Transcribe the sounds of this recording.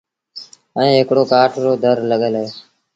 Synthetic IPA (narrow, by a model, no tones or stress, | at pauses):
əĩːɦɪkɽoːkaːʈʰɾoːd̪ʱəɾləɠəleː